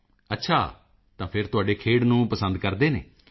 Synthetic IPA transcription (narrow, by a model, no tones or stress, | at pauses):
ətːʃʰaː | t̪ãːpʰɪɾt̪ʊaːɖeːkʰeːɽnũːpəsə̃nd̪kəɾd̪eːnḛː